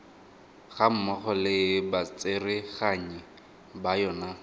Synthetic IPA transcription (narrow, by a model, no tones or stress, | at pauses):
χam̩mɔχɔlɪbat͡sʼɪrɪχaɲi | bajɔːna